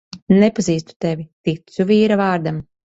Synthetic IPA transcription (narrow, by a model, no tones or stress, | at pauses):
nɛpaziːst̪u̥t̪ɛvʲit̪it̪suviːɾavaːɾd̪am